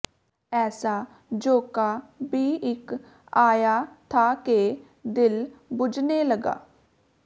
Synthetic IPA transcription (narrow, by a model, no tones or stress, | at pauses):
ɛːsaː | d͡ʒoːkaːbiːʔɪk | aːjaːt̪ʰaːkeː | d̪ɪlbʊd͡ʒneːləɡa̰ː